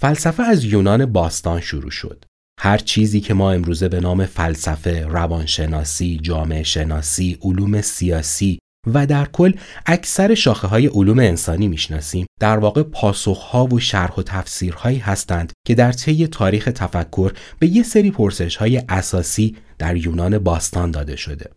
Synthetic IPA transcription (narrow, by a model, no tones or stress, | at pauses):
fælsæfeæzjuːnɒːne̞bɒːst̪ɒːnʃuɾṵːʃo̞̰d̪̥ | hæɾt͡ʃʰiːziːcʰe̞mɒːe̞mɾuːze̞be̞nɒːme̞fælsæfe̞rævɒːnʃe̞nɒːsiːd͡ʒɒːme̞eʃe̞nɒːsiːʔoluːme̞siɒːsiː | væd̪æɾkʰo̞lː | ʔæcʰsæɾe̞ʃɒːxeɦɒːje̞ʔoluːmeːnsɒːniːmiʃnɒːsiːmd̪̥æɾvɒːɣe̞pʰɒːso̞xhɒːvo̞ʃæɾho̞t̪ʰæfsiːɾhɒːiːɦæst̪ænd̪̥cʰe̞d̪æɾt̪ʰe̞jet̪ʰɒːɾiːxe̞t̪ʰæfækʰːo̞ɾb̥e̞je̞seɾiːpʰo̞ɾse̞ʃhɒːje̞ʔæsɒːsiː | d̪̥æɾjuːnɒːne̞bɒːst̪ɒnd̪ɒːd̪e̞̰ʃo̞d̪e̞̰